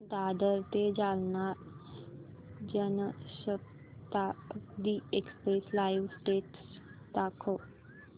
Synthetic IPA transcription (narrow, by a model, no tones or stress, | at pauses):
d̪ad̪əɾt̪ed͡ʒalna | d͡ʒənɕəp̚ | t̪ad̪iekspɾeslaiʋsʈeʈs | d̪akʰo